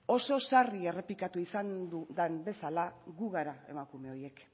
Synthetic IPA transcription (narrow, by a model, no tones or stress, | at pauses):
o̞so̞sarie̞re̞plikat̪uisand̪ud̪anbe̞salaɣuɣaɾae̞̰makume̞o̞je̞k